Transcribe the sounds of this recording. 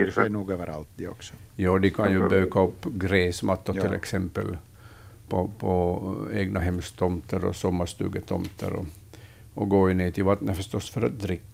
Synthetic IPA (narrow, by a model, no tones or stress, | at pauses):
fɛnuːɡøːʋəɾa̰lt̪d̪ɛɔksɔ̥jɑːd̪ɪkʰɑnjʉbøːkaɔpːɡɾeːsmɑt̪ːʊt̪ʰɪlʔɛ̰ksɛmpːə̰l | pʰɔpʰɔeːɡnaɦɛmst̪ʰɔmt̪əɾɔ̰sɔmːəʂt̪ʉ̰ːɡət̪ʰɔmt̪ʰə̰ɾɔ̰ | ɔɡoːɪnːeːt̪ʰɪlvɑt̪nəfœʂt̪ɔsːfœɾa̰t̪̚d̪ɾɪkː